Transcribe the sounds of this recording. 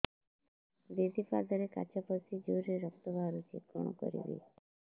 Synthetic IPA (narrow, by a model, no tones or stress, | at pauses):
d̪ed̪ifad̪aɾeka̰t͡ʃapɔsid͡ʒoɾeɾɔk̚t̪obaɾut͡ʃḭt̪̚kɔ̰no̰kɔ̰ɾḭbḭ